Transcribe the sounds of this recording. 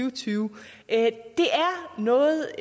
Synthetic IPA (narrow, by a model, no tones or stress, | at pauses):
yʊt͡sʰyːʊ | ʔd̥e̝ʔæɐnɔ̽ːð̩ˠ